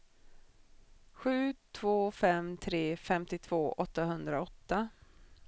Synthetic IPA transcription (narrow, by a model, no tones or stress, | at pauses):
ɧʉ̟ːt̪ʰv̥oːfɛmt̪ʰɾeːfɛmt̪ɪt̪ʰv̥oːʔɔt̪ːaɦɵnd̪ɾaɔt̪ːa